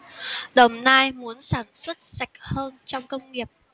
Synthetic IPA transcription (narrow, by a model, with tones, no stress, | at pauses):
ɗə˨˩wŋ͡mnaː˧jmu˨˦ənsaː˧˩nswə˦˥t̚sa˨˩jk̟̚həː˧nt͡ɕɔ˧wŋ͡mkə˧wŋ͡mŋi˨˩əp̚